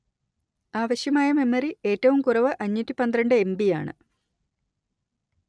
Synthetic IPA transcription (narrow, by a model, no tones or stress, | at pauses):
aːʋɐɕjɐmaːjɐme̞mːɐrie̞ːtːɐʋumkurɐʋɨʔɐɲːutːipɐnd̪rɐɳɖɨe̞mbija̰ːɳɨ̰